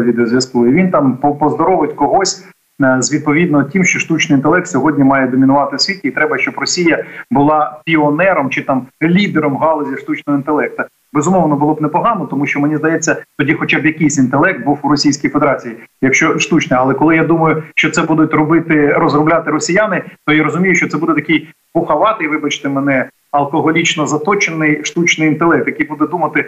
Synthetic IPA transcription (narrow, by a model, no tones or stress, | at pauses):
ʋʲid̪eɔzʲʋjɐsklˠʊiʋʲint̪ɑmpɔpɔzd̪ɔɾɔʋɪtʲkɔɦɔsʲ | zʲʋʲid̪̚pɔʋʲid̪nɔtʲimʃt͡ʃɔʃt̪ut͡ʃnɪjint̪elˠɛk̚t̪ʲsʲɔɦɔdʲnʲimɑjɛd̪ɔmʲɪnʊʋɑt̪ɪwsʲʋʲitʲɪit̪ɾɛbɐʃt͡ʃɔbrɔsʲijɐbʊlˠɑpʲiɔnɛɾɔmt͡ʃɪt̪ɑmlʲid̪eɾɔmɦɑlˠɔzʲiʂt̪ut͡ʃnɔɦɔint̪elˠɛk̚t̪ɐ | bezʊmɔʋnɔbʊlˠɔbnɛpɔɦɑnɔt̪ɔmuʃt͡ʃɔmenʲizd̪ɐjɛt͡sʲːɐt̪ɔdʲixɔt͡ʃabjɐkɪjsʲint̪elˠɛk̚t̪̚buwʊɾɔsʲijsʲkijfed̪eɾɑt͡sʲijijɐkʃt͡ʃɔʃt̪ut͡ʃnɪɐlˠɛkɔlˠɪjad̪umɐjʊʃt͡ʃɔt̪sɛbud̪ʊtʲrɔbɪt̪ɪɾɔzrʊblʲat̪ɪɾɔsʲijanɪt̪ɔjaɾɔzʊmʲijʊt͡ʃɔt̪sɛbud̪ɛt̪ɐkɪj | pʊxɐʋɑt̪ɪjʋɪbɐt͡ʃɪ̥t̪ɪmɛnɛ | ɐlˠkɔɦɔlʲit͡ʃnɔzɐt̪ɔt͡ʃenɪjʃt̪ut͡ʃnɪjint̪elˠɛk̚t̪jɐkɪjbud̪ɛd̪umɐt̪ɪ